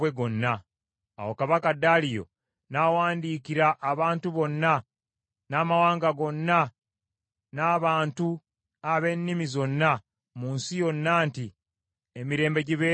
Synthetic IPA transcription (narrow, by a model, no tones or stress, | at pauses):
weɡo̞nːa | a̰wo̞kaβakadalijo̞̰ | nawaːndiːkiɾaʔːβaːntuβo̞nːa | naːmawaːŋɡaɡo̞nːa | naːβaːntu | aβe̞nːimizo̞nːa | muːnsijo̞nːaːnti | emiɾe̞ːmbe̞ɟiβe